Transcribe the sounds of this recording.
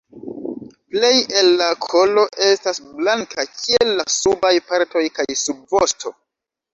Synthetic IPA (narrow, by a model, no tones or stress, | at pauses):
ple̞je̞lːakʰo̞lo̞ʔe̞stasblaŋkʰakʰielːasubajpaɾto̞jkajsub̚vosto̞̰